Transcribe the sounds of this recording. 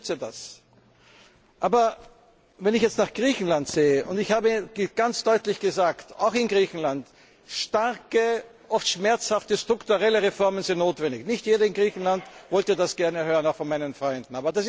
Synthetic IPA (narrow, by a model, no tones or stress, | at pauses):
t͡sida̰s | ʔaːbɐ | vɛnɪçjɛt͡stnaχɡ̥ʁiːçn̩lantz̥eːəʔʊndɪçhaːbəɡɡ̥ant͡sd̥ɔʏtlɪçɡ̥əzaːkta̰ʊxɪnɡʁiːçn̩lant | ʃtaʁkə | ʔɔftʃmɛɐt͡shaftəstʁ̥ʊktuʁɛləʁefɔɐmənzɪntnoːtv̥ɛndɪçnɪçtjeːɾɐɪnɡʁiːçn̩lantvɔltədasɡ̥ɛɐnəhøːʁənaʊxfɔnmaɪnənfʁɔʏndn̩aːbɐdas